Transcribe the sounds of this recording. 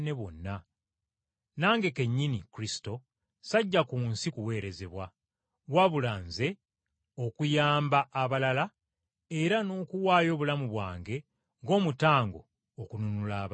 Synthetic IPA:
ne̞βo̞nːa | naːŋɡe̞ke̞ɲːinikuɾisi̥to̞ | saɟːakuːnsikuwe̞ːɾe̞ze̞βwa | βwaβulaːnze̞ | o̞kujaːmbaʔːβalala | e̞ɾano̞ːkuwaːjo̞ːβulamuβwa̰ːŋɡe̞ | ŋɡo̞ːmutaːŋɡo̞̰ː | kununulaːβ

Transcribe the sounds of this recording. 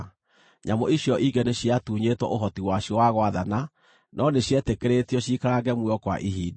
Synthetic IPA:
ɲamoiɕjɔʔiɡɛneɕiatuːɲetwɔ̰ʔoɦɔtiwaɕjɔwaɣwaðana | nɔneɕjɛtekeɾetiɔɕikaɾaɡɛmwɛɔkwa̰ʔiɦidi

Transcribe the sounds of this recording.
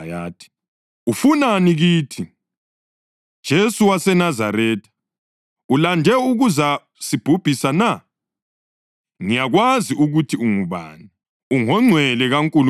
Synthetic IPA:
jaːtʰi̥ | ufunaniɣiːtʰi | d̥ʒ̥ʱesuwasɛnazaɾɛːtʰḁ | ulandʱɛuɣuza | sib̥ʱub̥ʱisana | ŋijaɣwaziʔuɣutʰiuŋuβa̰ːni | uŋɔŋ͡ǀʱwɛlɛɣaŋkʼul

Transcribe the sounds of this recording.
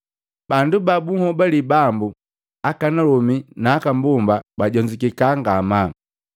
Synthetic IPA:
bandubabuŋhɔbalibambu | akanalɔminaːkambumbabaɟɔɲd͡ʒikikaŋɡama

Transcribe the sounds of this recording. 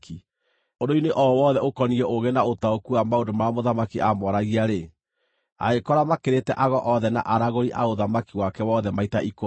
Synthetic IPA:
ki | odoineʔɔwɔðɛokɔniɛʔoɣenaotaokuamaondomamoðamakiʔamɔɾaɣiaɾe | a̰ɣekɔɾamakeɾetɛʔaɣɔʔɔðɛna̰ʔaɾaɣoɾiʔaoðamakiwakɛwɔːðɛmaitaʔiko

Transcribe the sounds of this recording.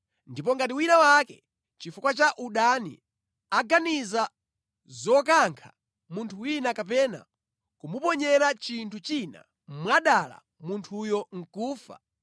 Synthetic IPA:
ndipɔŋɡatiwinawakɛ | t͡ʃifukwat͡ʃaʔuɗanḭ | aɡaniza | zɔk̬aŋkʰa̰ | muntʰuwinakap̬ɛna̰ | kumupɔɲɛɾat͡ʃintʰut͡ʃina̰ | mmwaɗala̰ | muntʰujɔŋ̩kuːfa̰

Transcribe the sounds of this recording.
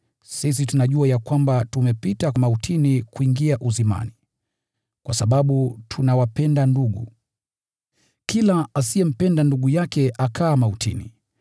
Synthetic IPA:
sis̬itunaʄuajakwambatumɛpitakamautʰinikuiŋɡiaʔuzima̰ni | kwasaɓaɓutʰunawapɛndanduɠṵ | kilaasiɛm̩pɛndanduɠujakɛʔakʰaːmautʰḭnḭ

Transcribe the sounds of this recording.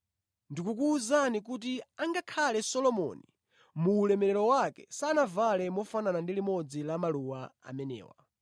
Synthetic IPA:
ndikuk̬uːzanik̬ut̬iaŋɡakʰalɛsɔlɔmɔ̰ni | muːlɛmɛɾɛɾɔwakɛ̰sanavalɛmɔfananandilimɔd͡zilamaluwaa̰mɛnɛ̰ːwa̰

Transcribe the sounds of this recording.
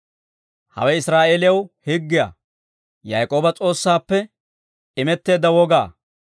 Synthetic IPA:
hɐ̰wɛɪsɾaːʔeːlɪjɐwhɪɡːɪja̰ː | jajkʼo̞ːbɐt͡sʼo̞ːsːaːpːɛ | ɪmɛt̪ːe̞ːd̪ːɐwɔɡaː

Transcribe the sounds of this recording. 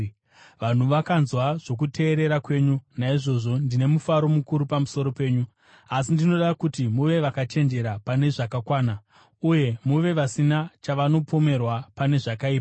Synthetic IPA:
ʋan̤uʋakanzwaʐ̥o̞k̬ute̞ːɾe̞ɾakwe̞ːɲunaiʐo̞ʐo̞ndine̞mufaɾo̞mukuɾupamuso̞ɾo̞pe̞ːɲu | asindino̞ɗakutimuʋe̞ʋakat͡ʃe̞nd͡ʒe̞ɾapane̞ʐakakwaːna | uje̞muʋe̞ʋasinat͡ʃaʋano̞po̞me̞rwapane̞ʐakaiːpa

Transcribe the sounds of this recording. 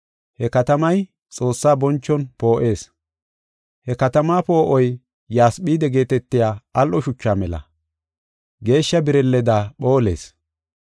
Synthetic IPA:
hɛkɐt̪ɐmɐj | t͡sʼo̞ːsːaːbɔnt͡ʃːɔnpo̞ːʔe̞ːs | hɛkɐt̪ɐmaːpo̞ːʔɔj | jaːsɓiːd̪ɛɡe̞ːt̪ɛt̪ːɪjaːʔɐlʔɔʃʊt͡ʃːaːmɛlɐ̰ | ɡe̞ːʃːɐbɪɾɛlːɛd̪aːɓo̞ːle̞̰ːs

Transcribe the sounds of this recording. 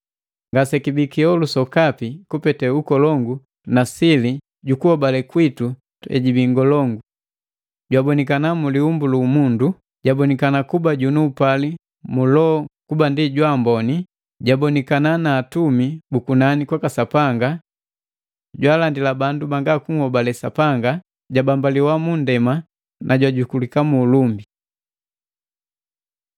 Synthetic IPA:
ŋɡasɛkibikiɔlusɔkapikupɛtɛukɔlɔŋɡu | nasili | ɟukuhɔbalɛkwitu | ɛ̰ɟibiŋɡɔlɔŋɡu | ɟwabɔnikanamuliumbuluːmundu | ɟabɔnikanakubaɟunuːpali | mulɔkubandiɟwaːmbɔni | ɟabɔnɛkananaːtumibukunanikwakasapaŋɡa | ɟwaːlandilabandubaŋɡakuŋhɔbalɛsa̰paŋɡa | ɟabambaliwamundɛma | nʔaɟwaɟukulikamuːlumbi

